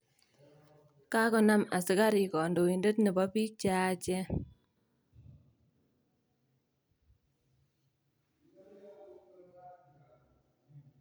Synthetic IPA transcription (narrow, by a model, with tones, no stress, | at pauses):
ka˦kɔ˦na˦ma˨si˨ka˦ɾi˨kɔ˨ndo˨i˨ndə˦tni˨bɔ˦pi˦t͡ʃa˦˨t͡ʃɛ˦